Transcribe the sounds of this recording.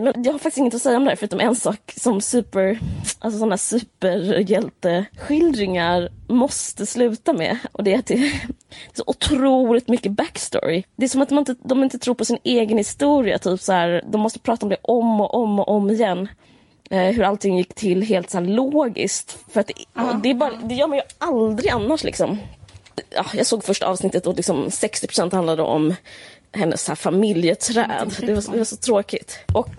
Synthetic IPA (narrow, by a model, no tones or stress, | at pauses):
mɛnjɑɡhaɾfakt̪ɪ̥stɪŋːət̪ɪɔsɛjːaɔmd̪ɛhæːfɾʉ̟ːt̪ɔmɛɛnsɑːksɔmsʉ̟ːpəɾʔalsɔsɔnahæːʂʉ̟ːpəɾjɛlt̪əɧɪld̪ɾɪŋaɾmɔst̪əslʉ̟ːt̪amɛ̰ʔɔd̪ɛæt̪ɛd̪ɛæʂɔʔʊt̪ʰɾuːlɪt̪mʏkːəbækst̪ɔ̰ɾɪd̪ɛæʂɔmat̪d̪mnɪnt̪əd̪ɔmɪnt̪ət̪ʰɾuːɾpʰɔsɪneːɡənhɪst̪uːɾɪa̰t̪ʰyːpsahæːɾd̪ɔmːɔst̪əpʰɾɑːt̪aɔmd̪ɛʔɔmɔʔɔmːɔʔɔmːɪjɛnː | ɦɵɾalt̪ʰɪŋːjɪkːt̪ʰɪlːɦeːlt̪shæːɭoːɡɪ̰skt̪fœɾat̪̚d̪ɛd̪ɛæbɑːɾad̪ɛjœːɾmanjɵʔald̪ɾɪɡanːaʂlɪ̰ksɔm | ɑ̰ːjɑːɡsoːɡfœʂʈa̰ʔɑːvsnɪt̪ːət̪d̪ɔlɪksɔmsɛkst̪ɪpʰɾʊ̥sɛnt̪hand̪lad̪ə̰ʔɔ̰m | hɛnːʔə̰sːhæːfamɪljət̪ʰɾɛ̰ːd̪d̪ɛvad̪ɛvasɔt̪ʰɾoːkɪt̪ʔɔk